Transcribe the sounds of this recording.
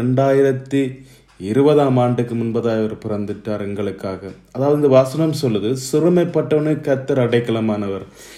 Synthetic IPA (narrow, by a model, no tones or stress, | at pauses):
ɳɖaːjɪɾɐt̪ːi | ɪɾɯbɐðaːmaːɳɖɯkːɯmʊnbɐðaːjɐʋɐɾpɪrɐnd̪ɪʈːaːɾɛŋɡɐɭɯkːaːɣɐ | ɐðaːʋɐðɯɪnðdɐʋaːsɐnɐmsɔlːɯðɯsɪɾɯmɐɪpːɐʈːɐʋɐnɯkːɐt̪ːɐɾɐɽɐɪkːɐɭɐmaːnɐʋɐɾ